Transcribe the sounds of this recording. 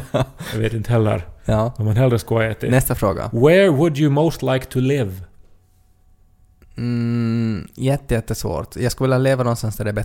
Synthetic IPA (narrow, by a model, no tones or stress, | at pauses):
jaɡveːt̪ɪnt̪əhɛlːə̰ɾjɑːɔmanɦɛlɾəskoːɛt̪ɪnɛst̪afɾo̰ːɡa̰wɛɹwʊdjɨmoʊst̪laɪkt̪ʰɨlɪv | jɛt̪ːəjɛt̪̚ːɛəsvo̰ːɾʈ̪jɑɡskɵlvɪljaleːvanɔnst̪ansd̪æɖɛbɛ